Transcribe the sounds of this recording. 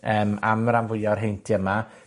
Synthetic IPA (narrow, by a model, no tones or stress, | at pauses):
əːmamːəɾanvʊɨɔrɦejntʰiəma